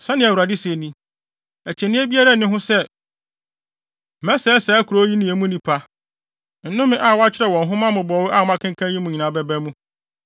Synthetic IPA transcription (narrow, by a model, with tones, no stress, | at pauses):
sã˦nɪ̃˨æ˨wu˨ɾa˨di˦se˨nĩ˦ | æ˨t͡ɕʰɛ˨nɪ̃˦æ˦bi˦a˦ɾa˦˨nɪ̃˦ɦʊ̃˦sɛ˦ | mɛ̃˦sɛ˦sɛ˨˦kʰu˨ɾo˦ji˦nĩ˨æ˨mũ˦nĩ˨pʰa˦ | n̩˨nʊ̃˦mɪ̃˦ʔa˦˨wɔ˦a˦t͡ɕʰɪ˦ɾɛ˨wɔ̃˨nɦʊ̃˦mã˦mʊ̃˨bɔ˨wɪ˦ʔa˦˨˦ã˦kʰɪ̃˦ŋ˦kʰã˦jĩ˦mʊ̃˨ɲi˨nã˨bɛ˦bɛ˦mũ˦